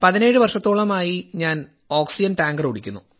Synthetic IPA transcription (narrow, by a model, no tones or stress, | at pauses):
pɐðine̞ːɻɨʋɐrʂɐt̪ːoːɭɐmaːjiɲaːn | o̞ːksid͡ʑɐnʈaːŋɡɐruɽikʲːunːu